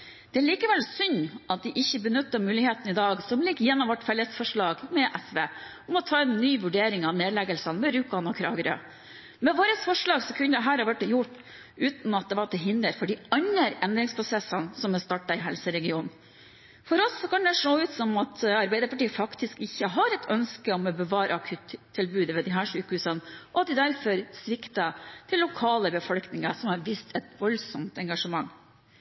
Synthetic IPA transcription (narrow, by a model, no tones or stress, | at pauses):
d̪̥ɛæɭiːkəʋɛlsʏnʔɑt̪̚d̪ɪʔɪçːəbənʉt̪ːəmʉːlɪheːt̪n̩ɪd̪ɑːɡsɔmlɪɡjɛnːɔmʋɔʈfɛlːəsfɔʂɭɑːɡmɛʔɛsʋeː | ɔmɔt̪ʰɑːɛnːyːʋʉɖeːɾɪŋɑneːd̪lɛɡəlsɑnmɛɾʉːkɑnɔkʰɾɑ̰ːɡəɾɑ̰ | mɛʋoːɾəsfɔʂɭɑːɡsɔkʰʉnəd̪ɛɦæːɾɑɾʋæʈːɛjʊʈː | ʉːt̪n̩ɑt̪̚d̪ɛʋɑʈ̪ʰɪlɦɪnd̪əɾfɔɖɪɑɲːəɾɛnd̪ɾɪŋspʰɾʊsɛsːənsɔmɛst̪ɑʈːɑɪɦɛlsəɾɛɡɪuːn | fɔɾɔsːɔkʰɑnd̪ɛʂoːʉːt̪sɔmɑt̪ʰɑɾbæɪd̪əɾpɑʈiːəfɑkt̪ɪskɪçːəɦɑɾɛt̪ʰœnskəɔmɔbəʋɑːɾʔəɑkʰʉːt̪ʰːɪlbʉːd̪əʋɛd̪ɪɦæːʂʉːkəhʉːsənʔɔɑt̪̚d̪ɪd̪æɾfɔɾsʋɪkt̪ɑt̪ʰɪlːʊkʰɑːləbəfɔlknɪŋɑsɔmhɑɾʋiːst̪ʰɛt̪ʋɔlsɔmt̪ɛŋɡɑʂəmɑŋː